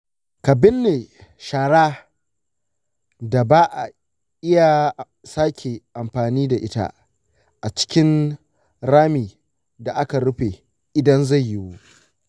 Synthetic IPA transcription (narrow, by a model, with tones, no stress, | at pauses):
ka˨bɪ˦nːeː˨ʃaː˨ɽaː˦ | da˨baː˦ʔa˨ | ʔɪ˦ja˨ | saː˦kʲʰe˨ʔa˨mɸaː˨niː˦da˨ʔɪ˦ta̰˦ | ʔa˨t͡ʃɪ̥˦kʲɪ˦n | ɾaː˦miː˨ | da˨ʔa˦ka˨ɽʊ˦ɸeː˨ | ʔɪ˨dɐ˦nza˦˨jːɪ˦wu˦